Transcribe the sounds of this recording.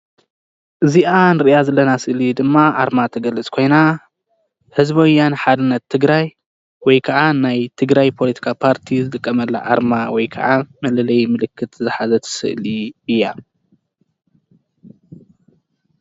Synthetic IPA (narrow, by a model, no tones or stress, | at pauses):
ʔɨziʔanɨɾjazɐlːɐnasɨʔlid̪ɨmːaʔaɾmat̪ʰɐɡɐlɨt͡sʼkʰo̞jna | hɨzbojːanɨħad̪ɨnːɐt̪ʰːɨɡɾaj | wɔjkʰɐʕanajt̪ʰɨɡɾajpʰo̞lit̪ʰi̥kʰapʰaɾt̪ʰizɨt̪ʼɨkʼːɐmɐlːa̰ʔa̰ɾmawɔjkʰɐ̰ʔamɐlɐlɐjmɨlɨkʰːɨt̪zɨħazɐt̪ʰɐ̥sɨ̰ʔliɨjːa